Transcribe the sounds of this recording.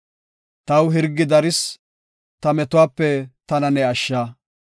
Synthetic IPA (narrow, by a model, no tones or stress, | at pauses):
t̪ɐwɦɪɾɡːɪd̪ɐɾɪs | t̪ɐmɛt̪ʊwaːpːɛt̪ɐnɐnɛɐʃːaː